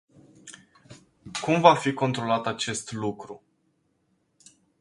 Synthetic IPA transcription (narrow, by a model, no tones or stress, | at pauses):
kumvafiko̞nt̪ɾo̞lat̪at͡ʃe̞st̪lukɾu